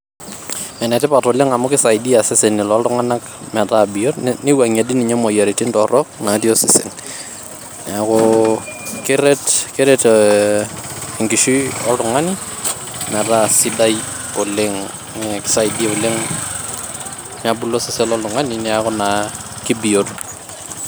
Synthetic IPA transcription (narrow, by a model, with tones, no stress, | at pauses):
mɛ˨nɛ˨tɪ˦patolɪ˦ŋa˨mʊ˦kɪ˦sa˨jdi˦asɪ˦se˨nɪ˨lɔltʊ˦ŋa˦na˦k | mɛ˨tabio˦rnɪ˦waŋe˨di˦nɪ˨ɲɛ˦mo˨ja˨ɾitɪ˦ntɔrɔk̚na˨ti˦o˦sɪsɪ̰˨n | akʊ | kɪɾɛtkɪɾɛt | ŋɡɪ˨ʃiɔltʊŋa˦ni | mɛ˨tasɪdaj | o˨lɪŋ | kɪ̥sa˨jdi˦o˨lɪ˦ŋ | mabu˦lo˦sɪ˦se˦lɔltʊŋa˦ninɛakʊna | kɪ˦bi˨jot